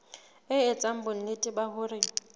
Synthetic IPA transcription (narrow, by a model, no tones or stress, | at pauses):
ɪɪt͡sʼam̩bʊn̩nɪtʼɪbaɦʊrɪ